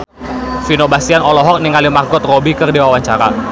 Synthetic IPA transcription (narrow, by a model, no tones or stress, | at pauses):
finobasianɔlɔɦɔk̚niŋalimarɡɔt̪̚robikərdewawaɲt͡ʃaɾa̰